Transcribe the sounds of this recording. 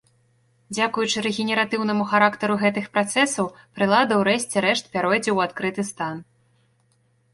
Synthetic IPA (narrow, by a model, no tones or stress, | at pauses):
d͡zʲakujut͡ʂɨɾɛɣʲɛnʲɛɾat̪ɨwnɐmuxaɾakt̪ɐɾuɣɛt̪ɨxpɾat̪sɛsɐw | pɾɨlˠad̪ɐwɾɛɕʲt͡sʲɛɾɛʂt̪̚pʲaɾɔjd͡zʲɛwat̪kɾɨt̪ɨst̪an